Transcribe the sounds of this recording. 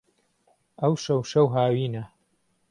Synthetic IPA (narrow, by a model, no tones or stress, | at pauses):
ʔɐwʃɐwʃɐwɦaːwiːnɐ